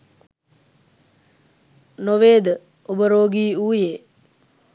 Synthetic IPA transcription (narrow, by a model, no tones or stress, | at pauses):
noʋeːd̪ə | ubəɾoːɡiːuːjeː